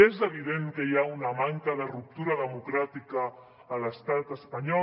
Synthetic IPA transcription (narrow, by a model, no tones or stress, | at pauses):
ezeβ̞iðeŋkejaunamaŋkaðarup̚t̪uɾaðemukɾat̪ikaː | last̪at̪espaɲɔ